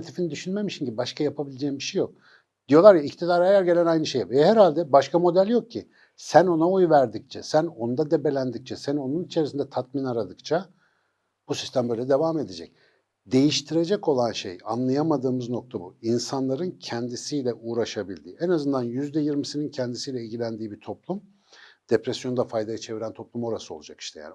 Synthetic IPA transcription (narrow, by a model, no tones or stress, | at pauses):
t̪ʰifinid̪yʃynmemiʃimɟibbaʃkʰajapʰabilʲed͡ʒeːimbiʃejok̚ | d̪̥ijo̞lˠaɾjaict̪ʰid̪aɾajæɾɟelʲænajnɯʃejphɛɾhalʲd̪ɛbaʃkʰamo̞d̪ælʲjo̞k̚cʰi | sæno̞naojvæɾd̪ic̚t͡ʃʰɛsæno̞nd̪ad̪ebe̞lʲænd̪ic̚t͡ʃʰɛsæno̞nunit͡ʃʰe̞ɾisind̪ɛt̪ʰat̪̚minaɾad̪ɯk̚t͡ʃʰa | b̥usi̥st̪ʰæmbø̞jlʲɛd̪e̞vaːme̞d̪ed͡ʒɛ̰c̚ | d̪e̞jiʃt̪ʰiɾe̞d͡ʒɛko̞lˠanʃḛjanlˠajamad̪ɯːmɯzno̞k̚t̪ʰabuinsanlˠaɾɯncʰɛnd̪isiːlʲɛʔuːɾaʃabilʲd̪iːenazɯnd̪anjyzd̪ɛjiɾmisinincʰɛnd̪isijlʲɛilʲɟilʲænd̪iːbit̪ʰo̞plˠum | d̪̥epɾesjo̞nd̪afajd̪ajat͡ʃʰe̞viɾænt̪ʰo̞plˠumo̞ɾasɯo̞lˠud͡ʒaki̥ʃt̪ʰɛja̰ːn